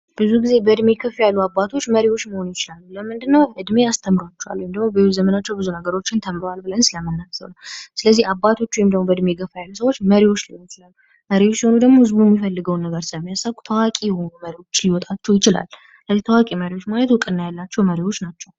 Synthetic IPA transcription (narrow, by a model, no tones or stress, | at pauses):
b̥ɨzuɡize̞bəɨd̪me̞kʰɨfjalːuabat̪ʰo̞t͡ʃːməɾiwot͡ʃːməho̞nujɪt͡ʃɪlalːuləmɨnd̪ɨnːəwhɨd̪me̞ast̪ʰəmɾat͡ʃːɛwa̰lːuwjmd̪əɡmobəwzəmənat͡ʃːɛwbɨzunəɡəɾo̞t͡ʃːɪnt̪ʰəmɾowalbɨlənsɨləmɨnːasə̰wnəwsɨləzːihabat̪ʰo̞t͡ʃːuwjɛmd̪əɡmobəd̪me̞ɡəfajalːusəwo̞t͡ʃːməɾiwo̞t͡ʃːliwt͡ʃɪlalːu | məɾiwot͡ʃːjɛho̞nud̪əɡmoɨzbumːifəlːɨɡəwnːəɡəɾsəmːijasakʼu̥t̪ʰəwakʼijɛho̞numəɾiwo̞t͡ʃːliwɔt̪ʼat͡ʃːɛwjɪt͡ʃɪla̰lː | sɨləzːiht̪ʰawakʼiməɾiwo̞t͡ʃːmalət̪wʊkʼɨnːajalːat͡ʃːɛwməɾiwot͡ʃːnat͡ʃːɛw